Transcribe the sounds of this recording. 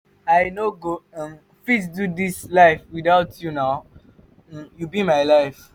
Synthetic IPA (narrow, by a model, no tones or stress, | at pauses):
aɪnoɡõm | plis̬dudislaɪfwidaʊtʰjunaʊ̃ | jubĩmaɪlaɪf